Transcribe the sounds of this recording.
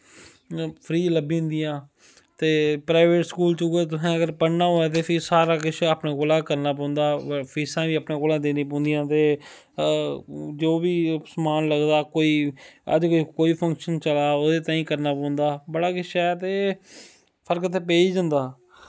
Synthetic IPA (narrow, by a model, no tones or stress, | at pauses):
pʰɾiːləbĩːʊ̃nd̪ijãː | t̪eːpɾaːɪʋeːʈskuːlt͡ʃʊːet̪̬ʊsãːəɡəɾpəɽnaːɦoːaːt̪̬eːpʰiːsaːɾaːkɪʃaːpnẽːkoːlãːkəɾnaːpɔ̃ːnd̪aːpʰiːsãːʋiːəːpnẽːkoːlãːd̪eːnĩːp̬ɔ̃ːnd̪ijãːt̪eː | d͡ʒoːʋiːsmaːnləɡd̪aːkoːiːə̰d͡ʒkːkoːiːpʰə̃ŋkʃənt͡ʃəlaːoːd̪eːt̪ãːĩːkəɾnaːpɔ̃ːʊnd̪aːbəɽaːkɪʃaːɛːt̪eː | pʰəɾkət̪ʰeːp̬eːd͡ʒə̃ːnd̪aː